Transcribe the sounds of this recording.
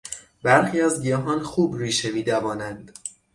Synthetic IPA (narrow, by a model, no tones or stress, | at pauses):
bæɾxiːæzɡijɒːɦɒːnxuːbɾiːʃemiːd̪æbɒːnænd̪̥